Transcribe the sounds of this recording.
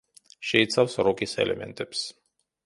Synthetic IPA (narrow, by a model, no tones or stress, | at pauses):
ʃɛit̪sʰawsɾɔkʼisɛ̰lɛmɛ̰nt̪ʼɛps